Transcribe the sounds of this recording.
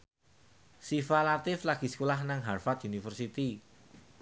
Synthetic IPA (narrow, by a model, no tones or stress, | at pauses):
sifalat̪ɪflaɡ̥i̤sə̥kolahnaŋɦarfat̪̚junifərsit̪i